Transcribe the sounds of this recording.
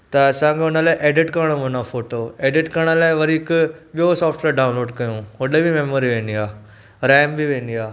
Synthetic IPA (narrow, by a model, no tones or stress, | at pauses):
t̪ɐɐsãɡʰeʊnəlaːɪʔeːɖɪʈkɐɾəɽ̃ʋonafoːʈoːeːɖɪʈkɐɾəɽ̃əlaːɪʋɐɾikɓiosɔːfʈʋeːɖaːʊnloːɖkɐjũʋɐɗəbimeːmoːɾiʋẽːnd̪iaː | ɾɛːmbʱiʋẽːnd̪iaː